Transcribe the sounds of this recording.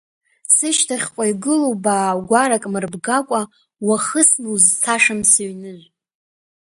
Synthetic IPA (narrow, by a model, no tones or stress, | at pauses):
sɨʃtʰaχʲqʷʼajɡɨlowbaːɡʷaɾakʼmɨrbɡakʷʼa | waχəsnuzt͡sʰaʂamsaɥnɨʒʷ